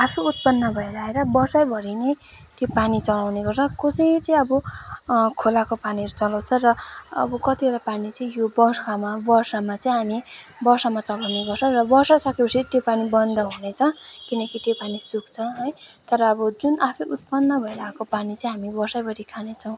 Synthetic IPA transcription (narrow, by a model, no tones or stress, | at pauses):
apʰiut̪̚pʌnːʌbʱʌeɾaeɾʌbʌrsajbʱʌɾine | t̪jopanit͡sʌlawneɡʌrt͡sʰʌkosʌjt͡sʌĩʌbʌ | kʰolakopaniɾut͡sʌlʌwt͡sʰʌrʌʌ̰bʌkʌt̪iʌɾapanit͡sʌĩjobʌrsamabʌrsamat͡sʌĩɦami | bʌrsamat͡sʌlawneɡʌrt͡sʰʌ̃rʌbʌrsasʌkepʌsit̪jopanibʌnd̪ʌɦunet͡sʰʌkinʌkit̪jopanisukt͡sʰʌɦʌjt̪ʌɾʌːbʌd͡zunʔapʰiʔut̪̚pʌnːʌbʱʌeɾakopanit͡saĩɦamibʌrsajbʱʌɾikʰanet͡sʰʌw̃